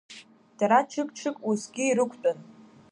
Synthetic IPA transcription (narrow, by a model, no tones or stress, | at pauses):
d̥aɾat͡ʃʰɨkʼʈ͡ʂʰɨkʼusɡʲiːɾɨkʷʰtʼʊn